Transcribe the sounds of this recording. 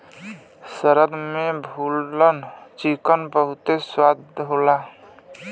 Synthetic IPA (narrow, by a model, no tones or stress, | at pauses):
səɾəd̪mẽbʱulːənt͡ʃikənbəɦʊt̪eswad̪ʱola